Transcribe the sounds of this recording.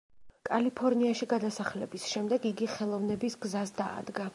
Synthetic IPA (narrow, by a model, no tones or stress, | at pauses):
kʼalipʰɔɾniaʃiɡad̪asaχlɛbisʃɛmd̪ɛɡiɡiχɛlˠɔvnɛbisɡzasd̪a̰ːd̪ɡa